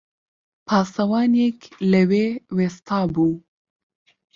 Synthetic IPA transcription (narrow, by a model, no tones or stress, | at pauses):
pʰɑːsɐwɑːnekləweːweːst̪ʰɑːbuː